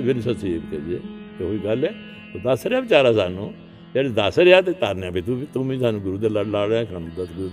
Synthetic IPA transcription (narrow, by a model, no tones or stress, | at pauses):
ʋɪnsəsiebkɛːd͡ʒiḛːt̪eɦoːiːɡəlɛː | oːd̪əsɾaːbɪt͡ʃaːɾaːsaːnṵ̃ː | d͡ʒɛːɽed̪əsɾeaːt̪et̪aːɾnãːpiːt̪ũbit̪ũmĩːsaːnũːɡʊɾuːd̪eləɽlaːɽãːsʰaːnũːd̪əsɡʊɾuːd̪